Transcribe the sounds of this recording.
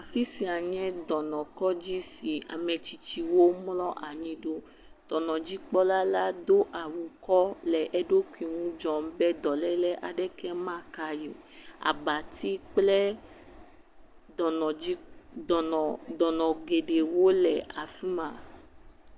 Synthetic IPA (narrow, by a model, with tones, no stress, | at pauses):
a˨fi˦si˨a˨ɲɛ̃˦d̪ɔ˨nɔ̃˨kɔ˦d͡ʒi˦si˨a̰˨mɛ̃˨t͡ʃi˨t͡ʃi˨wo˦mlɔ˦ʔa˨ɲĩ˨ɖo˦ | d̪̥ɔ˨nɔ̃˨d͡ʒi˦k͡pɔ˦la˦la˦d̪o˦ʔa˨wu˨kɔ˦lɛ˨ʔɛ˦ɖo˦kʷi˨ŋũ˦d͡ʒɔ̃˨m˦bɛ˦d̪ɔ˨lɛ˦lɛ˦ʔa̰˨ɖɛ˦kɛ˦mã˦˨ka˨jo˨ | a̰˨ba˨t̪i˦k͡plɛ˦˨ | i˦˨ | d̪ɔ˨nɔ̃˨ɡe˨ɖe˨wo˦lɛ˨a˨fi˦mã˨